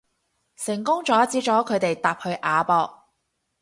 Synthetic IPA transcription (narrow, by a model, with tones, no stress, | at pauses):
sɪ˨˩ŋkʊ˥ŋt͡ʃɔː˨˥t͡siː˨˥t͡ʃɔː˨˥kʰɵ˨˧ɥt̪e˨jt̪aː˨p̚hɵ˧ɥʔaː˨˧pɔː˧k̚